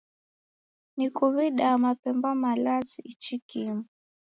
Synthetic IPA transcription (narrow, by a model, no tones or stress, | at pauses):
nikuβiɗamapɛmbamalaziit͡ʃikimu